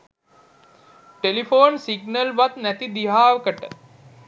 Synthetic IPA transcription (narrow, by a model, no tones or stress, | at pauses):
ʈelifoːnsiɡnəlʋat̪næt̪id̪iɦaːʋəkəʈə